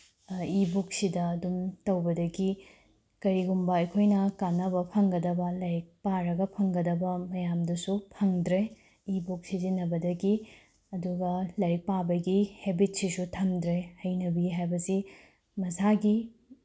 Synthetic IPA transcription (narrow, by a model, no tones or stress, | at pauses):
ibuk̚sidɐːdumtɐwbɐdɐɡi | kɐɾiɡumbɐɐjkʰojnɐkanːɐβɐpʰɐŋɡɐdɐbɐlɐɾik̚paɾɐɡɐpʰɐŋɡɐdɐbɐmɐjamdɐsupʰɐŋdɾe | ibuk̚sizinɐbɐdɐɡi | ɐduɡɐlɐɾik̚pabɐɡihebit̚sisutʰɐmdɾehɐjnɐbiɦajbɐsi | mɐsaɡi